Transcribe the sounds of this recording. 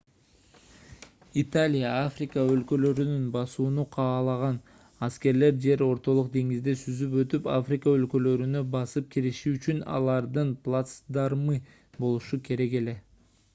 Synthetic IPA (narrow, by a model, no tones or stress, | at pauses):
it̪alʲijaafrʲɪkəø̞lkø̞løɾynynbɑsuːnuqʰɑːlˠɑʁɑn | ɑske̞ɾle̞ɾd͡ʒe̞ɾo̞ɾt̪o̞lˠuq̚d̪e̞ŋizd̪esyzyp̬ø̞t̪ypa̰frʲɪkəølkø̞løɾynø̞bɑsɯp̚kʲʰiɾiʃiːt͡ʃynɑ̰lˠɑɾd̪ɯnplˠat̪sd̪ɑɾmɯ | bo̞lˠuʃukʰe̞ɾe̞ke̞le̞